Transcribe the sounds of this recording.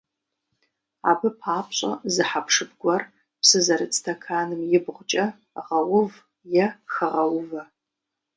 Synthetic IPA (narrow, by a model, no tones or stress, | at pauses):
a̰ːbɨpʰaːpʰɕʼɐ̰zɨħapʰʂɨbɡʷɔr | psɨzɐɾɨt͡sʼtʰɐkʰaːnɨmjɪbʁʷʊt͡ʃʼɐ | ʁɐwʊv | jɛxɐʁɐwʊvɐ